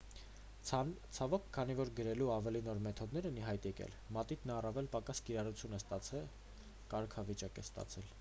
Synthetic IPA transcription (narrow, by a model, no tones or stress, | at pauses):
t͡sʰɑvɔkʰːɑn̪ivɔɾɡəɾɛluɑvɛlinɔɾmɛt̪ʰɔd̪nɛɾɛniɦɑjt̪jɛkɛ̰l | mɑt̪it̪nɑrɑvɛlpɑkɑskiɾɑrut͡sʰjunɛst̪ɑt͡sʰɛl | kɑɾkʰɑvit͡ʃɑkɛst̪ɑ̰t͡sʰɛl